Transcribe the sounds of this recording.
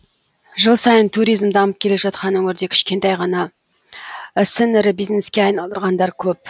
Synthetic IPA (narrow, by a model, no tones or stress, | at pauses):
ʒəlˠsɑjənt̪ʰuɾijzmd̪ɑməp̚kʲʰe̞le̞ʒɑt̪qɑnwɵŋʲɪɾd̪e̞kʲʰɪ̥ʃkʲe̞nt̪ɑjʁɑnɑ | ɪsɪnɪɾɪbijzne̞skʲeɑjnɑlˠd̪əɾʁɑnd̪ɑɾkʲʰɵp̚